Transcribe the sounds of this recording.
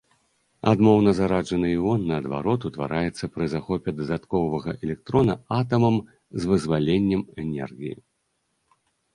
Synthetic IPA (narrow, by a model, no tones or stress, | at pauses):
a̰d̪mɔwnɐzaɾad͡ʐɐnɨjwɔnːɐːd̪va̰ɾɔt̪ut̪va̰ɾajɛt̪sːɐpɾɨzaxɔpʲɛd̪ɐd̪at̪kɔvvɐɣɐʔɛlʲɛk̚t̪ɾɔnɐat̪ɐmɐm | zvɨzvalʲenʲːɛmɛnʲɛ̰rɣʲijḭ